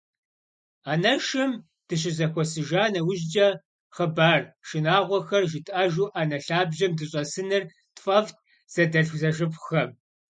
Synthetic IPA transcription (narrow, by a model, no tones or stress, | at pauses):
aːnɐʃɨm | d̥ɨɕ̬ʼɪzɐxʷɔsɨʒaːnɐwʊʑd͡ʒʼɐ | χəbaːrʃɪnaːʁʷɔxɐrʒɪtʼɐʒuːʔanɐɬaːbʑɐmdɨɕʼɐsɨnɨr | tfʼɐft̚ʰ | z̥ɐdɐɬzɐʒɨpxɐm